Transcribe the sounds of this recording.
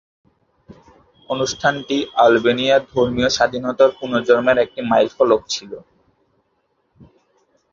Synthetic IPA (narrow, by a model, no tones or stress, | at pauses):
onuʃʈʰanʈialbenijad̪ʱoɾmijoʃad̪ʱinɔt̪aɾpunod͡ʑoɾmeɾek̚ʈimajlfʰɔlok̚t͡ɕʰilo